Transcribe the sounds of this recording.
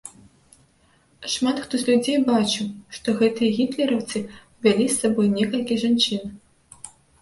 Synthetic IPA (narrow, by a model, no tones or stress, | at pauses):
ʂmat̪xt̪ɔzʲlʲud͡zʲejbat͡ʃɨwʂt̪ɔɣɛt̪ɨjɐɣʲit̪lʲɛɾɐwt̪sɨ | vʲalʲisːabɔjnʲɛkɐlʲkʲiʐant͡ʂɨn